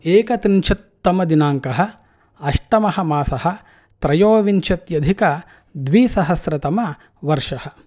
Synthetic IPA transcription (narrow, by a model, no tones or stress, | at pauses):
eːkɐt̪ɾint͡ʃʰɐt̪ːɐmɐd̪inaːŋkɐɦɐ | ɐʂʈɐmɐɦɐ̆maːsɐhɐ | t̪ɾɐjoːʋint͡ʃɐt̪jɐd̪ʱikɐ | d̪ʋiːsɐɦɐsɾɐt̪ɐmɐ | ʋɐɾʂɐhɐ